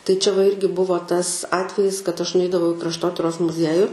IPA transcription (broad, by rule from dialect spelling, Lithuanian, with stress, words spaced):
tɐɪ ˈt͡ʃʲɛ ʋɐ ˈɪrʲɡʲɪ ˈbʊʋoː ˈtɐs ˈɑːtʲʋʲɛjɪs kɐt ˈɐʃ nʊˈɛɪdɐʋɐʊ ɪ krɐʃˈtoːtʲɪroːs mʊˈzʲiɛjʊ